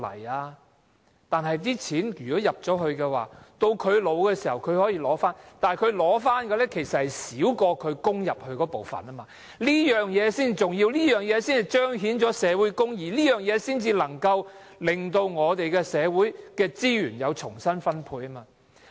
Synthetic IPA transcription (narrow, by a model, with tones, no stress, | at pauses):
lɐ̰˨˩jaː˧ | t̪aː˨nɦɐ˨jt̪̬iː˥t͡sʰiː˨˥njyː˨˩kɔː˨˥jɐ˨p̚t͡sɔː˨˥ɦɵ˧ɥkɛ˧wa̰ː˨t̪o˧wkʰɵ˨˧ɥlo˨˧wkɛː˧siː˨˩hɐ˨wkʰɵ˨˧ɥhɔː˨˥jiː˧lɔː˨˥faː˥nt̪aː˨kʰɵ˨˧ɥlɔː˨˥faː˥nkɛ˧lɛ˥kʰe˨˩jsɐ˨t̚hɐ˨jsiː˨˥wkɔː˧kʰɵ˨˧ɥkʊ˥ŋjɐ˨p̚hɵ˧kɔː˨˥po˨wfɐ̰˨˩naː˥maː˧ | liː˥jœː˨ŋjɛː˨˧siː˥nt͡si˨t͡sʊ˨ŋjiː˧wliː˥jœː˨˩ŋjɛː˨˧siː˥ni˨t͡ʃœː˥ŋɦiː˨˥nt͡ʃɔː˨˥sɛː˨˧wuː˨˥jkʊ˥ŋjiː˨˩liː˥jœː˨˩ŋjɛː˨˧siː˥nt͡siː˧lɐ˨˩ŋkɐ˧w | lɪ˨ŋt̪o˧wŋɔː˨˧t̪e˨jkɛ˧sɛː˨˧wuː˨˥jkɛː˧t͡siː˥jyː˨˩njɐ˨˧wt͡ʃʰʊ˨˩ŋsɐ˥nfɐ˥npʰuː˧jɐː˥maː˧